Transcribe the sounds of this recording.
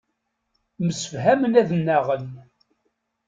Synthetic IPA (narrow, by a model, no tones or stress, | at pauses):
məsəfɦæmənæðənːæʁən